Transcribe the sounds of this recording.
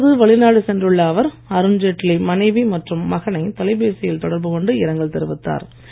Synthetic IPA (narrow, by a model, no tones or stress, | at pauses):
ðɯʋɐɭɪnaːɽɯsɛndrɯɭːaːʋɐɾ | ɐɾɯnd͡ʒɛʈlimɐnɐɪʋimɐʈrɯmːɐɣɐnɐɪt̪ɐlɐɪbeːsɪjɪlt̪ɔɽɐɾbɯkɔɳɖɯɪɾɐŋɡɐɭt̪ɛɾɯʋɯt̪ːa̰ːɾ